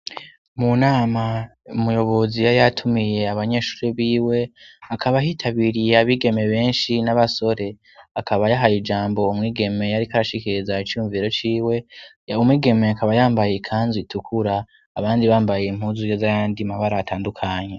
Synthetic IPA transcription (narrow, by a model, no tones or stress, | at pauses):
munaːmaumujo̞βo̞zijajatʰumije̞aβaɲe̞ːʃu̥ːɾeβiːwe̞akʰaβaɦitʰaβiɾijaβiːɡe̞me̞βe̞ːnʃinaβaso̞ɾe̞ | akʰaβajaɦajid͡ʒaːmbo̞umŋiːɡe̞me̞jaɾikaɾaʃikiɾizait͡ʃuuːɱviːɾo̞t͡ʃiːwe̞jaumwiːɡe̞me̞akʰaβajaːmbajekʰaːnzitukʰuɾaː | βaːndiβaːmbajem̥huːzujozajaːndimaβaɾaːtʰaːndukʰaɲe